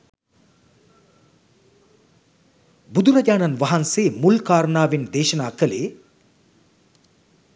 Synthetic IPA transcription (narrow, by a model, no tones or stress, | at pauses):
bud̪uɾɐɟaːnɐnʋaɦanseːmulkaːɾɐnaːʋind̪eːʃɐnaːkəleː